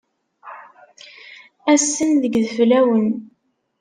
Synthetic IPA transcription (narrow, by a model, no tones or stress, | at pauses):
æsːənðəɡðəflæwən